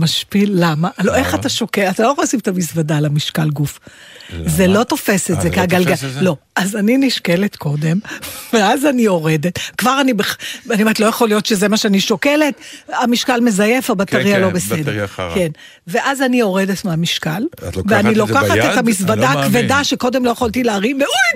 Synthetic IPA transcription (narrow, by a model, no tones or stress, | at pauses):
maʃpilːamaloʔe̞χataʃokelataloχolsimetʰamisvadalamiʃkalɡuf | zelo̞to̞fe̞setzekiaɡalɡalo̞azaniniʃke̞letkʰo̞de̞mveazanio̞ʁedetkvaʁanibeχanimetlo̞jaχolijo̞tʃe̞zemaʃeaniʃokele̞tamiʃkalme̞zaje̞fabat̪aʁialo̞besedeʁke̞n | ve̞ʔazanio̞ʁede̞tmeamiʃkalveanilo̞kaχaethamisvadakvedaʃeko̞de̞mlo̞jeχoltileaʁineuj